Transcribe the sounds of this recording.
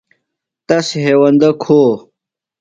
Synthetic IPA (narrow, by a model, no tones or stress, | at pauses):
t̪ɐsɦeːwɐnd̪ɐkʰoː